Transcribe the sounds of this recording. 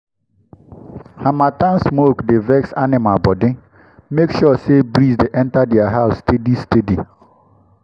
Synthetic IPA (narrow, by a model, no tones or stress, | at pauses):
hamatãnsmokdevɛksanɪmabɔdĩ | mekʃɔsebɾisdeʔɛ̃ntadɛaɦaʊstedistedi